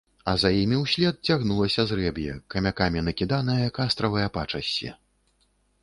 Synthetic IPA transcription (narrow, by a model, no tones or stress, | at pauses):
ɐzajimʲiwsʲlʲɛt̪̚t͡sʲaɣnulˠɐsʲɐzrɛbjɛ̰kɐmʲakamʲinɐkʲid̪anɐjɐkast̪ɾɐvɐjɐpat͡ʂɐsʲḭ